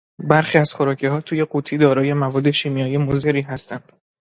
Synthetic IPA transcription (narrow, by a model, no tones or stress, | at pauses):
bæɾxiːæz̥xo̞ɾɒːcʰeɦɒːt̪ʰuːje̞ɡuːt̪ʰiːd̪ɒːɾɒːje̞mævɒːd̪ːe̞ʃiːmijɒːjiemozeɾiːɦæst̪ʰænd̪̥